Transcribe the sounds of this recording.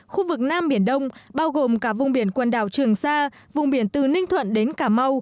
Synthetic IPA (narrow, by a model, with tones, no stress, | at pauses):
xu˧vɨ˨˩k̚naː˧mɓi˧˩ənɗə˧wŋ͡mɓaː˧wɣo˨˩mkaː˧˩vʊ˨˩ŋ͡mɓi˧˩ənkwə˨˩nɗa̰ː˧˨˩wt͡ɕɨ˨˩əŋsaː˧ | vʊ˨˩ŋ͡mɓi˧˩ənt̪ɨ˨˩nï˧ŋt̪ʰwə̰˧˨nɗe˨˦nkaː˧˩ma˧w